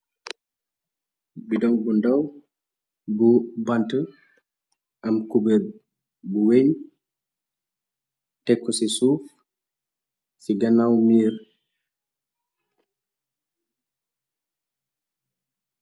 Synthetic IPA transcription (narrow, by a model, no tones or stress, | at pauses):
bidɔŋbundɐw | bubantə | ʔɐmkube | buweɲ | tɛkːɔsisuːf | siɡɐnawmiːr